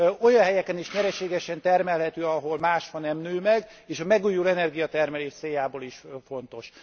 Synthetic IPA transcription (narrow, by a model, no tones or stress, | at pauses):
o̞jɒnɦɛjɛkɛniʃɲɛɾɛʃeːɡɛʃɛnt̪ɛrmɛlɦɛt̪øːɒɦo̞lmaːʃhɒnɛmnyːlmɛɡ | eːʃɒmɛɡuːjulɛnɛrɡijɒt̪ɛrmɛleːʃt̪seːjaːboːliʃfo̞nt̪o̞ʃ